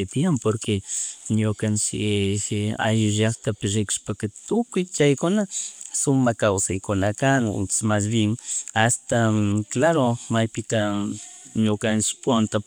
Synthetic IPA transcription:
ɪpjampoɾkeɲokant͡ʃɪ | a̰jʊʒɑkt̪apɪɾɪkʊ̥ʃpakat̪ʊkʊjt͡ʃajkʊnasʊmakawsajkʊnakaŋʊ̰nsmas̬bɪŋast̪aklaɾomajpɪt̪a | ɲokant͡ʃɪ̥pont̪a

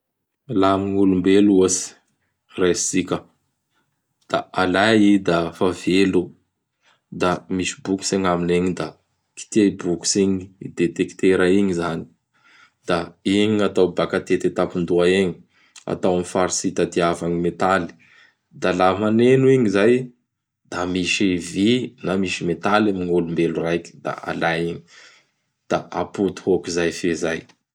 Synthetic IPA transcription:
lamiŋulumbeluosi̥ | resikʲə | d̪̥aalaid̪afavelu | d̪amisi̥buku̥seŋamineɲid̪a | ki̥t̪iaibuku̥siɲiid̪et̪eki̥t̪eɾaiɲizani̥ | d̪̥aiɲiat̪awbakat̪et̪et̪apind̪uaeɲi | a̰t̪awamifaɾisit̪ad̪iavaŋimet̪ali̥ | d̪alamanenuiɲizaj | d̪̥amiʃivinamiʃimet̪alimiŋulumbeluɾajki̥d̪̥a̰a̰lajiɲi̥ | d̪̥aʔaput̪u̥hokizajfezaj

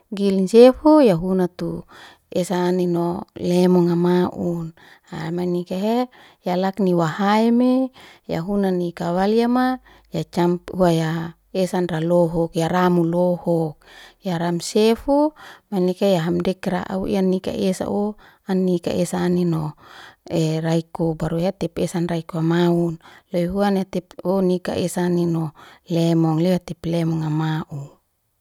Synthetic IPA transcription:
ɡilnsefujaɦunat̪u | esaninolɛmɔŋamaʔun | amanikaɦe | jalakniwahaemeja̰ɦunanikawaliama | jat͡ʃamphuaja | esanraloɦɔkjaɾamulɔhɔk̚jaɾamsefumanikajaɦamdɛkɾa̰ʔa̰ṵʔḭanika̰ʔesa̰ʔo | anːika̰ʔesaːnino | eraikobaɾujat̪ɛpesanraikoamaunloiɦuanat̪ɛponika̰ʔesaninɔlɛmɔŋliat̪ɛplɛmɔŋamaʔu

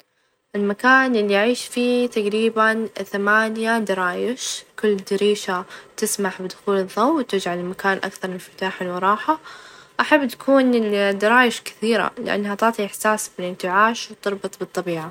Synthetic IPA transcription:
ʔɪlmakaːnʔɪlːiʔaʕiːʃfiːt̪aɡɾiːbanθamaːnjad̪ɑɾˤɑːjɪʃkʊlːd̪ɪɾiːʃat̪ɪsmaħbɪd̪ʊxuːlɨðˤːɑwwt̪ɪd͡ʒʕalɪmakaːnʔa̰kθɑɾˤmɪnfɪ̥t̪aːħanwɑɾˤɑːħaʔaħabːt̪ḁkuːnɪd̪ɑɾˤɑːjɪʃkɪ̥θiːɾa̰lɪʔa̰nːhat̪ɑʕt̪ˤiʔɪħsaːsbɪlɪnt̪ɪʕaːʃwt̪ɨɾˤbɨt̪ˤbɨt̪ˤːɑbiːʕa

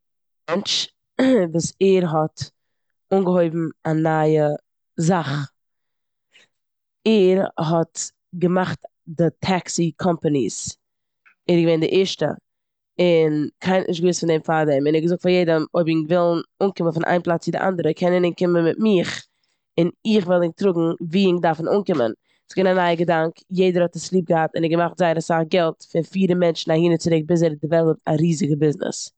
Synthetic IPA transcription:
mɛnt͡ʃ | vuːsɛɾɦɔt | uːnɡəhoɪbm̩anajə | zaχ | ɛɾɦɔt | ɡəmaχt | dətʰaksikʰɔmpənḭs | ɛɾɡəveɪndɪʔɛɾʃtə̰ | ɪnkʰaɪnnɪʃtɡvɪsfɪndɛmfadɛmɪnɛɾɡəzʊk̚tfaɾjeɪdəmoɪbɪŋvɪlˠn̩uːnkɪmənfɪnʔa̰ɪmplˠat͡sɪdɪ̰ʔa̰ndəɾəkʰɛnɛnɪnkɪmənmɪtmɪχ | ɪnɪχvɛlˠɪŋtɾʊɡŋ̩viːɪŋdaɾfn̩uːnkɪmə̰n | sɡɪnanaɪəɡədaŋkjeɪdəɾhɔtɪslˠiːp̚ɡəhatɪ̰nɛɾɡəmaχtzaɪəɾəsaχɡɛlˠtfɪɾfiːɾəmɛnt͡ʃn̩ahiːnət͡sɪɾɪk̚bɪs̬ɛɾdɪvɛlˠəp̚taɾiːzɪɡəbɪznɪ̰s

